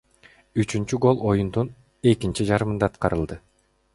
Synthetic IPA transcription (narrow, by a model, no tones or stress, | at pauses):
yt͡ʃynt͡ʃyɡo̞lˠo̞jund̪un | e̞kint͡ʃid͡ʒɑɾɯmɯnd̪ɑːt̪qɑɾɯlˠd̪ɯ